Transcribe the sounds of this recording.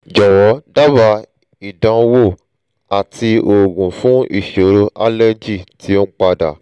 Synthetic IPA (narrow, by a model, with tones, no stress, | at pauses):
d͡ʒɔ˨wɔ˨˦da˦ba˧ | i˨dã˧wo˦˨ | a˨ti˧o˨ɡũ˨fũ˦ḭ˨ʃo˨˦ɾo˧ʔa˦lɛ˦d͡ʒi˦˨ti˨˦o˦k͡pa˧da̰˨